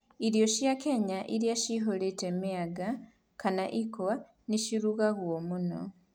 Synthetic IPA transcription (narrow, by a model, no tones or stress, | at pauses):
iɾjo̞ʃjakeɲaʔiɾjaʃiɦoletemiaɡa | kanaʔikowa | niʃiɾuɣaɣwomuno̞̰